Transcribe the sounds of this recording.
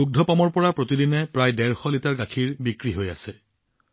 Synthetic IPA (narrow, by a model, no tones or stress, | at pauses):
uk̚dʱɔpamɔɹpɔɹapɹotidinɛpɹajdɛɹxɔlitaɹɡakʰiɹbikɹiɦoja̰sɛ